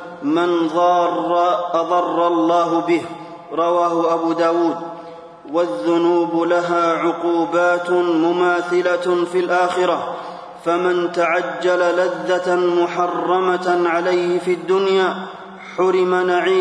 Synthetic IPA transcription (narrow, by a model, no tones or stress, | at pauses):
mɪn | ɑðˤɑrˤːɑlˤːɑːɦʊbɪh | ɾˤɑwaːhʊʔabuːd̪aːwuːd̪ | waðːʊnuːbʊlaɦaːʕʊquːbaːt̪mʊmaːθɪlafiːlʔaːxɪɾa | famɪnt̪aʕad͡ʒːalalaðːamʊħɑrˤːɑmaʕalajhɪfiːʔad̪ːʊnjaː | ħʊɾɪmanaʕiː